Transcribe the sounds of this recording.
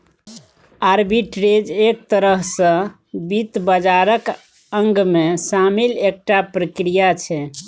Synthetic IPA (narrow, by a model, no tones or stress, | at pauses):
aɾbiʈɾed͡ʒek̚t̪əɾəɦsə̃ | bit̪bəd͡ʒaɾək | əŋɡmesamilek̚ʈapɾəkɾijat͡ʃʰɛ